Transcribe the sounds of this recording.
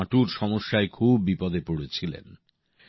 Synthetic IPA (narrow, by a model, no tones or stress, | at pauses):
aʈuɾʃɔmoʃːaekʰubːipɔd̪epoɽet͡ɕʰilḛn